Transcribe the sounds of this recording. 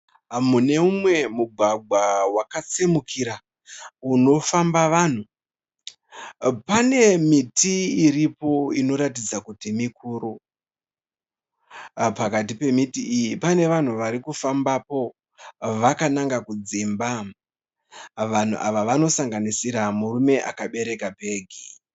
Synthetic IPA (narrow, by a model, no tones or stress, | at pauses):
mune̞umwe̞muɡʱwaɡ͡bʱwawakat͡semukʰiɾa | uno̞fambaʋaːn̤u | pane̞mitʰiːɾipo̞ino̞ɾatid͡zakutimikʰuːɾu | pakat̬ipe̞mitiːjipane̞ʋan̤uʋaɾikufambapo̞ | ʋakanaŋɡakud͡zimba | ʋan̤ṵʔa̰ʋaʋano̞saŋɡanisiɾamurume̞ʔa̰kaɓe̞ɾe̞kapeːɡʱi